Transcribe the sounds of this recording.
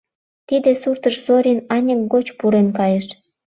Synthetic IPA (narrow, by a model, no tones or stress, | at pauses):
t̪id̪esurt̪əʃzoɾʲinɑnʲək̚ɡot͡ɕpuɾenkɑjeʃ